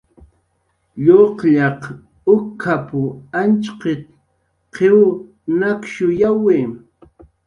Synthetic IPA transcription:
ʎoqʎɑq | ʊkʰːapʊant͡ʃqɪt̪ | qʰew | nakʃʊjaweː

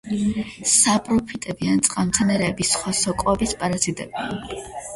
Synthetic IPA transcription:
sapʼɾɔpʰit̪ʼɛbiant̪sʼqʼamt̪sʰɛnɛɾɛːbisχwasɔkʼɔɛbispʼaɾazid̪ʼɛ̰bia

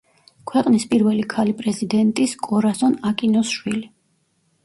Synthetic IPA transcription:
kʰwɛqʼnispʼiɾvɛlikʰalipʼɾɛzid̪ɛnt̪ʼiskʼɔɾasɔnakʼinɔsʃwili

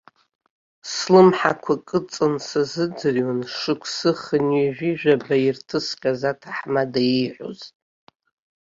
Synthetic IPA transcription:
slɨmħakʷʰakʼɨt͡sʼɨnsazɨd͡zɨrwanʂɨkʷʰsɨχənɥiʒʷᶣiʒᶣabairtʰɨsqʲʼazatʰaħmadajiħʷo̰zʼ

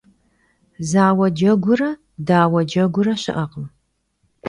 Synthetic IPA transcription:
zaːwɐd͡ʒɐɡʷʊrɐ | daːwɐd͡ʒɐɡʷʊɾɐɕɪ̰ʔɐqʼm

